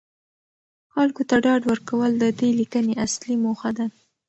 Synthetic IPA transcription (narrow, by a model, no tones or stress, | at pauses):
xalkot̪aɖɑɖwəɾkawəld̪əd̪elikəneʔaslimoxad̪a